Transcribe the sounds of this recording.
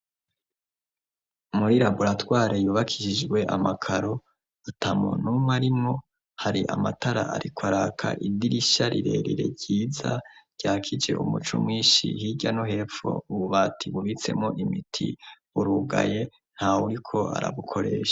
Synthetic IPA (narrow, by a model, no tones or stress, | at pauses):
muɾiɾabuɾatwaːɾejuːβakʰi̥ʃid͡ʒɡwe̞ʔamakʰaɾo | atʰamo̰numŋwaɾimŋo̞ | haɾiʔamataɾaaɾikwaɾakʰa̰ʔidiɾiʃaɾiɾe̞̰ɾiɾe̞̰ɾɟiːza̰ɾɟ̥aːkʰid͡ʒe̞̰ʔṵmut͡ʃo̰mŋiːnʃḭhiɟanoɦe̞ːfo̰uβuβaːtʰiβuβit͡se̞̰mŋo̞ʔimitʰḭ | uɾuɡa̰je̞ | n̥hauɾikʰo̞a̰ɾa̰βukʰo̞ɾe̞ːʃḁ